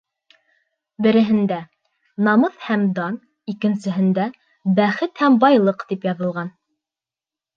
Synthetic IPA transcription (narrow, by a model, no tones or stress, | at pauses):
bɘ̆ɾɘ̆ɦɘ̆nd̪æ | nɑmɤθhæmd̪ɑn | ikɘ̆nsɘ̆ɦɘ̆nd̪æ | bæχɘt̪hæmbɑjlˠɤqt̪ipjɑðɤ̆lˠʁɑn